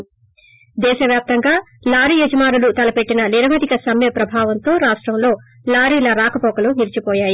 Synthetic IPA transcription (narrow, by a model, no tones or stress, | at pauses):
d̪ɛːʃɐʋjaːp̚t̪ɐŋɡaː | laːɾijɐd͡ʒɐmaːɾulut̪ɐlɐpe̞ʈːinɐliɾɐmɐd̪ikɐsɐmjɐpɾɐbʱaːʋɐnt̪o̞ːɾaːʂʈɾɐmlo̞ː | laːɾiːlɐɾaːkɐpɔːkɐluniɾt͡ʃipɔːjaːji